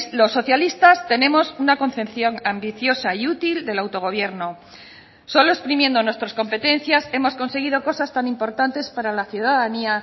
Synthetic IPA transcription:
lo̞sːo̞θjalist̪ast̪e̞nẽ̞mo̞sunako̞n̟θepθjo̞ŋambiθjo̞saiut̪ild̪e̞lawt̪o̞ɣ̞o̞βje̞ɾno̞ | so̞loespɾimje̞nd̪o̞nwe̞st̪ɾasko̞mpe̞t̪e̞nθjase̞mo̞sko̞nse̞ɣ̞iðo̞ko̞sast̪anĩmpo̞ɾt̪ant̪e̞spaɾalaθjuðaðania

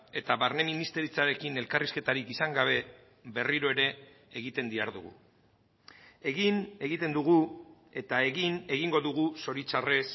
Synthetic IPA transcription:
e̞t̪aβaɾne̞minist̪e̞ɾit͡saɾe̞kine̞lkariske̞t̪aɾikisaŋɡaβ̞e̞ | βe̞riɾo̞e̞ɾe̞ː | ɣit̪e̞nd̪iaɾðuɣṵ | e̞ɣine̞ɣit̪e̞nd̪uɣ̞u | e̞t̪ae̞ɣine̞ɣiŋɡo̞ðuɣ̞uso̞ɾit͡ʃare̞s

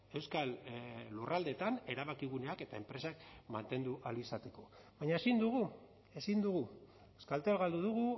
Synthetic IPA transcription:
e̞wskalːurald̪e̞t̪ane̞ɾaβakiɣ̞une̞ake̞t̪ae̞mpɾe̞sakmant̪e̞nd̪uʔalisat̪e̞ko̞βaɲaesind̪uɣ̞u | e̞sind̪uɣu | ewskalt̪lɣald̪uðuɣ̞u

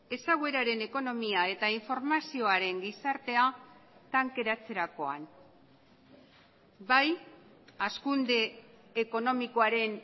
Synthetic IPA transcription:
e̞saɣwe̞ɾaɾe̞ne̞ko̞no̞miae̞t̪aiɱfo̞ɾmasio̞aɾe̞ŋɡisaɾt̪e̞at̪aŋke̞ɾat͡se̞ɾako̞a̰n | baj | askund̪e̞ːko̞no̞miko̞aɾe̞n

